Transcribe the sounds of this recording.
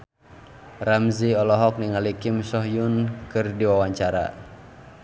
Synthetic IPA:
ramziɔlɔɦɔk̚niŋalikimsɔɦjunkɨrdiwawaɲt͡ʃaɾa̰

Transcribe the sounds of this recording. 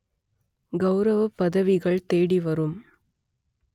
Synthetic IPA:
ɡɐʊɾɐʋɐpːɐðɐʋɪɣɐɭt̪eːɽiʋɐɾɯm

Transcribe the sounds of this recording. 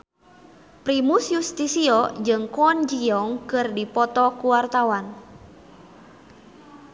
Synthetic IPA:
pɾimusjust̪isiɔd͡ʒɨŋkɔnd͡ʒiɔŋkɨrdipɔt̪ɔkuwart̪awan

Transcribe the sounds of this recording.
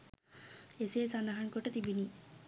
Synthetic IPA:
eseːsanaɦaɳkoʈːɐt̪ibini

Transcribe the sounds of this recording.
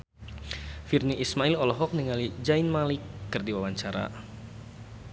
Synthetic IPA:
firniismailɔlɔɦɔk̚niŋalid͡ʒainmalɪkːɨrdiwawaɲt͡ʃaɾa̰

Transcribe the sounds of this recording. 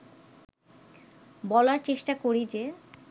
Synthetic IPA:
bɔlaɾt͡ɕeʃʈakoɾid͡ʑe

